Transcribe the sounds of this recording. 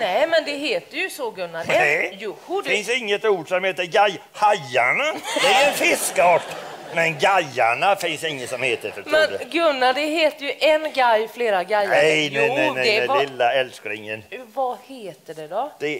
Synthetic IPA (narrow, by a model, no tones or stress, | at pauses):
nɛmɛnd̪ɛɦeːt̪əjɵsɔɡɵnːaɛɛj̪fɪnsɪŋːət̪uːɖsɔmheːt̪əɾɡajhajːaɳad̪ɛæɾɛnfɪskɑːʈmɛnɡajːaɳafɪnsɪŋːəsɔmheːt̪əfətmɛnɡɵnːad̪ɛɦeːt̪əɾjɵʔɛnɡɛjːfleːɾaɡɛj̪ːɛjnɛnɛnɛɪlːaɛlskəɾɪŋːənvaheːt̪əɖɛd̪ɔd̪̥ɛ